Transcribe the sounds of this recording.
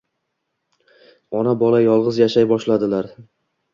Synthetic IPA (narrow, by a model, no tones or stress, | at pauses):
ɒnabɒlˠajɒlˠʁɨzjaʃajbɒʃlad̪ɪlaɾ